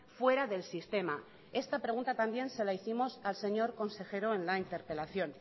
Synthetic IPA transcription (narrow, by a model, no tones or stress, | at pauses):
fwe̞ɾaðe̞lsist̪e̞ma | e̞st̪apɾe̞ɣunt̪at̪ambje̞nse̞laiθimo̞salse̞ɲo̞ɾko̞nse̞xe̞ɾoe̞nlaint̪e̞ɾpe̞laθjo̞n